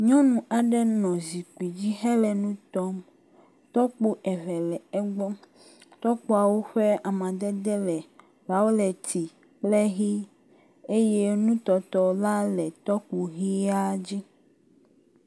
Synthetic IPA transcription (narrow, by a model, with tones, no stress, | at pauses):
ɲɔ̃˦nũ˨ʔa˨ɖɛ˦nɔ̃˨zi˨k͡pi˨d͡ʑi˦ɦɛ˦lɛ˨nũ˦t̪ɔ˦m | t̪ɔ˦k͡pu˦ʔɛ˨vɛ˨lɛ˨ɛ˦ɡ͡bɔ˦ | t̪ɔ˦k͡pu˦a˨wo˦ɸɛ˦a˨mã˨d̪ɛ˦d̪ɛ˦lɛ˨ | va˨˦wo˦lɛ˨t̪i˨ | k͡plɛ˦ɣi˦ | e˦je˦nũ˦t̪ɔ˨t̪ɔ˦la˦lɛ˨t̪ɔ˦k͡pu˨ɣi˦a˦d͡ʑi˦